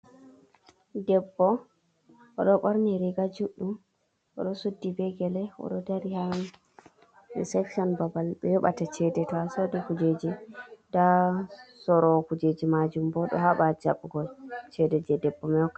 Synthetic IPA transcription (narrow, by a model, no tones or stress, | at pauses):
dɛbːɔ | ʔɔɗɔɓɔɾniɾiɡad͡ʒuɗum | ʔɔ̰ɗɔsudːibɛɡɛlɛɔ̰ɗɔdaɾiha | sɛksiɔnbabalɓɛjɔɓa̰tat͡ʃɛdɛtɔasodikud͡ʒed͡ʒida | sɔɾɔkud͡ʒed͡ʒimad͡ʒumbɔɗɔ̰haɓad͡ʒa̰ɓɡɔlt͡ʃɛdɛd͡ʒɛdɛbːɔmɛɔkːa